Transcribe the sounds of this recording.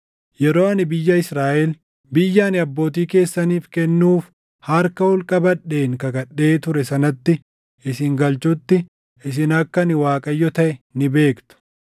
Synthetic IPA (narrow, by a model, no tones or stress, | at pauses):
jɛɾo̞ːɐnɪbɪjːɐɪsɾaːʔɛl | bɪjːaːnɪɐbːo̞ːt̪̬iːke̞ːsːɐniːfkɛnːuːf | hɐɾkɐhʊlkʼɐbɐᶑːe̞ːŋkɐɡɐɗːe̞ːt̪ʊɾɛsɐnɐt̪ːɪ | ɪsɪŋɡɐlt͡ʃʊt̪ːɪ | ɪs̬ɪnɐkːɐnɪwaːkʼɐjːɔt̪ɐʔɛnɪbe̞ːkt̪ʊ̥